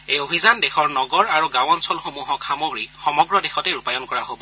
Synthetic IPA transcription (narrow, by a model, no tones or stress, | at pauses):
ejobʱizandexɔɹnɔɡɔɹaɹuɡãw̃ɔnsɔlxomuɦɔkxamoɡɹixɔmɔɡɹɔdexɔtɛɹupajɔnkɔɹaɦobɔ